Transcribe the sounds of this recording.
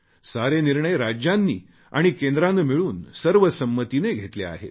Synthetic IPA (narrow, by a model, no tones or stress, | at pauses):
saɾeniɾɳəjɾad͡ʑjanːḭː | a̰ɽ̃ikend̪ɾanːemiɭuːnsəɾʋəsəmːət̪ineɡʱet̪lea̰ɦḛt̪